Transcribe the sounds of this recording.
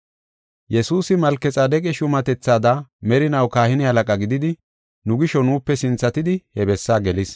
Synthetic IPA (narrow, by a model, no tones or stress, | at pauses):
jɛsuːsɪmɐlkːɛt͡sʼaːd̪ɛkʼɛʃʊmɐt̪ɛt͡sːaːd̪amɛɾɪnɐwkaːhɪnɪhɐlɐkʼɐɡɪd̪ɪd̪ɪ | nʊɡɪʃɔnuːpːɛsɪnt͡sːɐt̪ɪd̪ɪhɛbɛsːaːɡɛlɪs